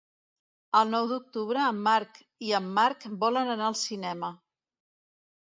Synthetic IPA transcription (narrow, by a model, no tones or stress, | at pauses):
əlˠnɔwd̪uk̚t̪uβ̞ɾəːmːaɾk | iəmːaɾkbɔlənənaəlˠsinɛmə